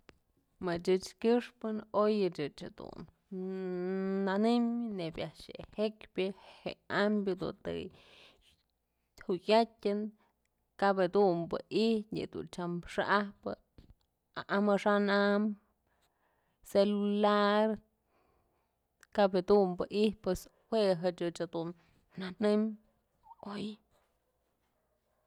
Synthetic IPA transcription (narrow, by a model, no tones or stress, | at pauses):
mɨt͡ʃɨt͡ʃkʲɨʂpɨnojɨt͡ʃɨt͡ʃhad̪ṵn | anɨmnebʲaʔʂḛhekbʲɨheambʲjɨd̪ṵnt̪ɨ̰ | hujʲatʲɨn | kabed̪umbɨihtʲɲɨ̰d̪ṵnt͡ʃamʂaʔahpɨ̰ | aʔamaʂanam | selulaɾ | kabed̪umbɨʔihpwes | weɦɨt͡ʃɨt͡ʃad̪unː | anɨm | oj